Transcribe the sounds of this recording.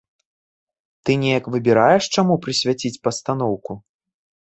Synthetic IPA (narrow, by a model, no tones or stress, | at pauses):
t̪ɨnʲɛjɐkvɨbʲiɾajɛʂt͡ʂamupɾɨsʲvʲat͡sʲit͡sʲpɐst̪an̪ɔwku